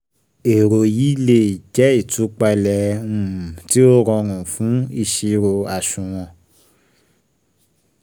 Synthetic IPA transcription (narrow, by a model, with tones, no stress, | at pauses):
e˨ɾo˨ji˦le˦˨d͡ʒɛ˨˦i˦˨tu˨˦k͡pa˧lɛ˧˦ũ˨ti˦o˦ɾɔ̃˧ɾ̃ũ˨fũ˨˦i˧˨ʃi˧ɾo˧a˨ʃũ˨w̃ɔ̃˧